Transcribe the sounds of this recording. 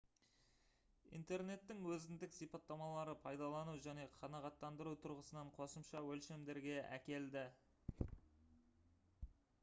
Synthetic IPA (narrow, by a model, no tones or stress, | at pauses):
ḭjnt̪e̞ɾne̞t̪ːɪŋwɵzɪnd̪ɪksijpɑt̪ːɑmɑlˠɑɾəpʰɑjd̪ɑlˠɑnuwʒæne̞qʰɑnɑʁɑt̪ːɑnd̪əɾuwt̪ʰʊɾʁəsənɑɴqʰo̞səmʃɑwɵlʃe̞md̪e̞ɾɡʲe̞æ̰kʲe̞ld̪ɪ